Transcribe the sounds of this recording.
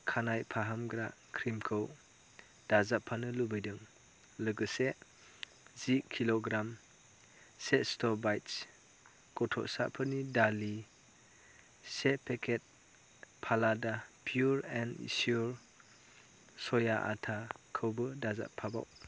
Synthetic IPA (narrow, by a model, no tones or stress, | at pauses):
kʰanajpʰaɦamɡɾakʰɾimkʰɯw | d̥azapʰːanɯlubɯjdɯŋ | lɯɡɯse | zikʰiloɡɾam | setstɔbajts | kɔtʰɔ̰ʔsa̰pʰɯnidali | sepʰekʰet̚ | pʰaladapʰjuɾɛnḭsjuɾ | sɔjaʔa̰tʰakʰɯwbɯdaza̰pʰːaba̰w